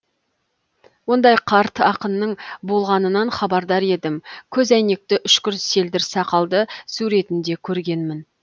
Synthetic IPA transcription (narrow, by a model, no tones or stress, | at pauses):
wo̞nd̪ɑjqʰɑɾt̪ɑqənːəɴbo̞lˠʁɑnənɑnχɑbɑɾd̪ɑɾe̞d̪ɪmkʲʰɵzæjne̞k̚t̪ɪʔʏʃkʲʏɾse̞ld̪ɪɾsɑqɑlˠd̪əsuɾe̞t̪ɪnd̪e̞kʲʰɵɾɡʲe̞nmɪn